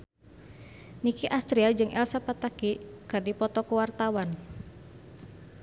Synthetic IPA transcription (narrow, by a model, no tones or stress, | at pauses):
nikiʔast̪ɾiad͡ʒɨŋʔɛlsapat̪akikɨrdipɔt̪ɔkuwart̪awan